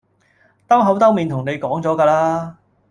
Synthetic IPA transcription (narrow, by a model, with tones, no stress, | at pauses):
t̪ɐ˥wɦɐ˨˥wt̪ɐ˥wmiː˨˧nt̪ʰʊ˨˩ŋne˨˧jkɔː˨˥ŋt͡sɔː˨˥kaː˧laː˥